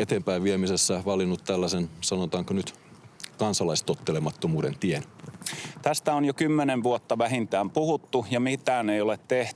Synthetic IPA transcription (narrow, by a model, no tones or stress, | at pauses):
et̪eːmpæiʋʋiemisesːæʋɑlinːut̪t̪ælːæsensɑnot̪ɑːŋkonyt̪ | kɑnsɑlɑist̪ot̪ːelemɑt̪ːomuːdent̪ien | t̪æst̪æonjokymːeneʋʋuot̪ːɑʋæɦint̪æːmpuhut̪ːujɑmit̪æːnejolet̪t̪eht̪y̥